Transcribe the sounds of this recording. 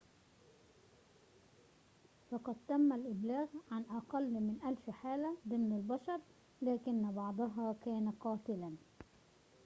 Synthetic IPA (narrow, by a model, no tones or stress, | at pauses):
fɑqɑd̪̚t̪amːalʔɪblaːɣʕanʔɑqɑlːmɪnʔalfħaːlad̪ɪmnɪlbɑʃɑɾˤ | laːkɪnːbɑʕd̪ˤɑɦɑːkæːnaqɑːt̪ɪlan